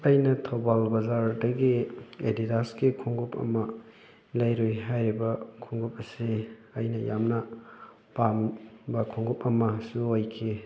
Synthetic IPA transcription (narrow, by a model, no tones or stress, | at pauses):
ɐjnɐtʰobalbɐzaɾdɐɡiedidaskikʰuŋɡupɐ̰mɐ | lɐjɾojɦajɾibɐkʰuŋɡup̚ɐsiɐjnɐjamnɐ | pambɐkʰuŋɡupɐmɐsuojkʰi